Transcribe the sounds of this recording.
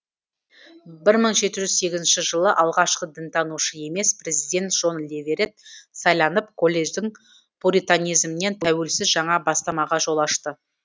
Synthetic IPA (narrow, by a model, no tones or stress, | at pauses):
bɪɾməɴʒe̞t̪ɪʒʏzse̞ɡʲɪzɪnʃɪʒəlˠəʔɑlˠʁɑʃqəd̪ɪnt̪ɑnuʃəe̞me̞spre̞zijd̪ʲe̞nt̪ʒ̥o̞nlʲevʲeɾet̪̚sɑjlˠɑnəp̚kʰo̞lʲːe̞ʒd̪ɪŋ | puɾit̪anʲijzmne̞nt̪ʰæwe̞lsɪzʒɑɴɑbɑst̪ɑmɑʁɑʒo̞lˠɑʃt̪ə